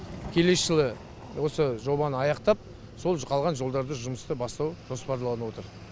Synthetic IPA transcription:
kʲʰe̞le̞sʃɪlˠə | wo̞səʒo̞βɑnəɑjɑqt̪ɑp̚ | so̞lˠqʰɑlˠʁɑnʒo̞lˠd̪ɑɾd̪əʒʊməst̪əbɑst̪ɑwʒ̥o̞spɑɾlˠɑnəwo̞t̪əɾ

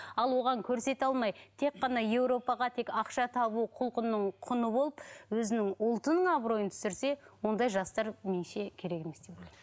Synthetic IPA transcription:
ɑlˠwo̞ʁɑŋkʲʰɵɾse̞t̪ɑlˠmɑjt̪ʰe̞kqːɑnɑje̞wɾo̞pɑʁɑt̪ʰe̞kɑqʃɑt̪ʰɑbuqʰʊlˠqənːəɴqʰʊnəbo̞lˠəpwɵzɪnɪŋʊlˠt̪ənəɴɑbɾo̞jənt̪ʰʏ̥sɪɾse̞wo̞nd̪ɑjʒɑst̪ɑɾmenʃe̞kʲʰe̞ɾe̞ke̞me̞sd̪ebolʲˠj

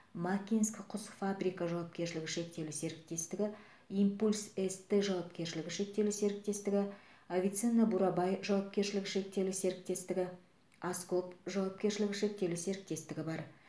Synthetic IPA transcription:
makʲinskʲqʰʊsfabɾʲijkɑʒɑwɑp̚kʲe̞ɾʃɪlɪɡʲɪʃe̞k̚t̪e̞wlse̞ɾɪk̚t̪e̞st̪ɪɡʲɪ | impulʲsest̪ːeʒɑwɑp̚kʲe̞ɾʃɪlɪɡʲɪʃe̞k̚t̪e̞lɪse̞ɾɪk̚t̪e̞st̪ɪɡʲɪ | avʲijt̪sɨnabuɾɑbɑjʒɑwɑp̚kʲe̞ɾʃɪlɪɡʲɪʃe̞k̚t̪e̞wlɪse̞ɾɪk̚t̪e̞st̪ɪɡʲɪ | askopʒɑwɑp̚kʲe̞ɾʃɪlɪɡʲɪʃe̞k̚t̪e̞lɪse̞ɾɪk̚t̪e̞st̪ɪɡʲɪbɑɾ

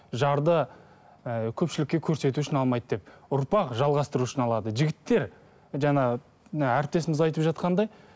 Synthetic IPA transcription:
ʒɑɾd̪ə | kʲʰɵpʃɪlɪkʲːe̞kʲʰɵɾse̞t̪uʃɪnɑlˠmɑjd̪əd̪e̞p̚ʊɾpɑqʒɑlˠʁɑst̪əɾuʊʃɪnɑlˠɑd̪əʒɪɡʲɪt̪ːe̞ɾ | ʒɑɴɑ | æɾp̚t̪e̞sɪmɪzɑjt̪əpʒɑt̪qɑnd̪ɑj

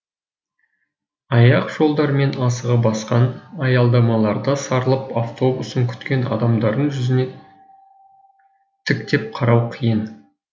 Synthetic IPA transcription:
ɑjɑqʒ̥o̞lˠd̪ɑɾme̞nɑsəʁəbɑsqɑnɑjɑlˠd̪ɑmɑlˠɑɾd̪əsɑɾəlˠəpaft̪o̞busəŋkʲʰʏ̥t̪kʲe̞nɑ̰d̪ɑmd̪ɑɾd̪əʒʏzɪne̞ | t̪ʰɪkt̪e̞p̚qʰɑɾɑwqʰijən

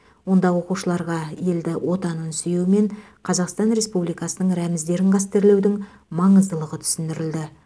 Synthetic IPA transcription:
wo̞nd̪ɑwo̞quʃəlˠɑɾʁɑje̞ld̪ɪwʔo̞t̪ɑnənsʏjewɪme̞ɴ | qʰɑzɑqst̪ɑnɾe̞spublijkɑsənəɴɾæmɪzd̪e̞ɾɪɴqɑst̪eɾle̞wd̪ɪŋ | mɑɴəzd̪əlˠəʁət̪ʰʏ̥sɪnd̪ɪɾɪld̪ɪ

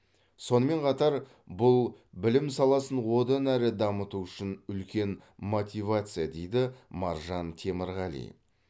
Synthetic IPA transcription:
so̞nəme̞ɴqʰɑt̪ɑɾ | bʊlˠbɪlɪmsɑlˠɑsənwo̞d̪ɑnæɾɪd̪ɑmət̪uʏʃɪnʏlkʲe̞nmo̞t̪ʲijvat̪sɨjad̪e̞jd̪ɪmɑɾʒɑnt̪ʲʰeməɾʁɑlˠḭj̰

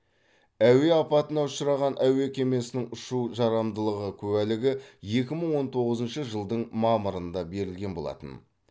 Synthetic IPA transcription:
æwe̞ɑpɑt̪ənɑʊʃəɾɑʁɑnʔæwe̞kʲʰe̞me̞sɪnɪŋʊʃuʒɑɾɑmd̪əlˠəʁəkʲʰɵwælɪɡʲɪje̞kʲɪməɴwo̞nt̪ʰo̞ʁəzənʃəʒəlˠd̪əɴmɑməɾənd̪ɑbe̞ɾɪlɡʲe̞nbo̞lˠɑ̰t̪ə̰n

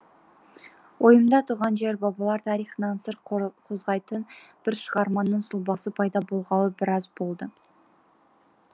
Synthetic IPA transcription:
wʔo̞jəmd̪ɑt̪ʰuʁɑnʒeɾbɑbɑlˠɑɾt̪ʰɑɾijχənɑnsəɾqʰo̞zʁɑjt̪ənb̥ɪɾʃəʁɑɾmɑnːəɴsʊlˠbɑsəpʰɑjd̪ɑbo̞lˠʁɑwəbɪɾɑzbo̞lˠd̪ə

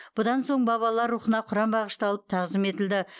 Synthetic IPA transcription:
b̥ʊd̪ɑnso̞ɴbɑβɑlˠɑɾːuχənɑqʰʊɾɑmbɑʁəʃt̪ɑlˠəp̚t̪ʰɑʁzɪme̞t̪ɪld̪ɪ

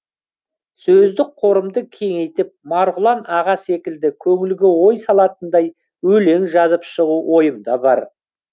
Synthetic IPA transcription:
sɵzd̪ɪk̚qʰo̞ɾəmd̪əkʲʰe̞ŋe̞jt̪ɪp̚mɑɾʁʊlˠɑnɑʁɑse̞kʲɪld̪ɪkʲʰɵŋɪlɡʲɪwo̞jsɑlˠɑt̪ənd̪ɑj | ɵle̞ŋʒɑzəpʃəʁuwʔo̞jəmd̪ɑbɑɾ

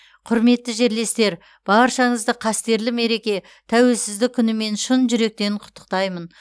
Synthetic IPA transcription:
qʰʊɾme̞t̪ːɪʒe̞ɾle̞st̪e̞ɾ | b̥ɑɾʃɑɴəzd̪əqʰɑst̪e̞ɾlɪme̞ɾe̞kʲe̞ | t̪ʰæwe̞lsɪzd̪ɪk̚ʲʰːʏnɪme̞nʃənʒʏɾe̞k̚t̪e̞ɪɴqʰʊ̥t̪ːə̥q̚t̪ɑjmən

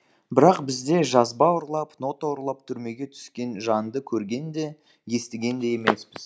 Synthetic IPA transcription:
bɪɾɑqbɪzd̪e̞ʒɑzbɑʊɾlˠɑpno̞t̪aʊɾlˠɑp̚t̪ʰʏɾme̞ɡʲe̞t̪ʰʏ̥skʲe̞nʒɑnd̪əkʲʰɵɾɡʲe̞nd̪e̞ | je̞st̪ɪɡʲe̞nd̪e̞je̞mespɪz

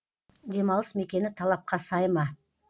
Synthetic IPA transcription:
d̪e̞mɑlˠəsme̞kʲe̞nɪt̪ʰɑlˠɑp̚qɑsɑjmɑ

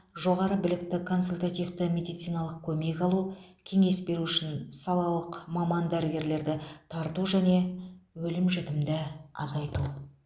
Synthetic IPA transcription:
ʒo̞ʁɑɾəbɪlɪk̚t̪ɪkʰo̞nsulʲt̪at̪ijft̪əmʲe̞d̪ijt̪sijnɑlˠəq̚kʲʰɵme̞kʲɑlˠukʲʰe̞ŋe̞sbe̞ɾuʏʃɪnsɑlˠɑlˠəqmɑmɑnd̪æɾɪɡʲe̞ɾle̞ɾd̪ɪt̪ʰɑɾt̪uʒæne̞wɵlɪmʒɪt̪ɪmd̪ɪɑ̰zɑjt̪u

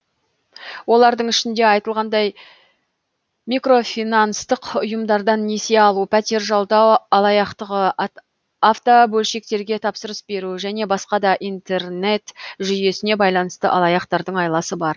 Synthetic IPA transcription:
wo̞lˠɑɾd̪əɴɪʃɪnd̪e̞ɑjt̪əlˠʁɑnd̪ɑj | mikro̞finɑnəst̪əqʊjəmd̪ɑɾd̪ɑnːe̞se̞ɑlˠupʰæt̪e̞ɾʒɑlˠd̪ɑwɑlˠɑjɑqt̪əʁə | aft̪obɵlʃe̞kt̪e̞ɾɡʲe̞t̪ʰɑpsəɾəsbe̞ɾuʒæne̞bɑsqɑd̪ɑʔijnt̪e̞rne̞t̪ʒʏje̞sɪne̞bɑjlˠɑnəst̪əʔɑlˠɑjɑqt̪ɑɾd̪əɴɑjlˠɑsəbɑɾ

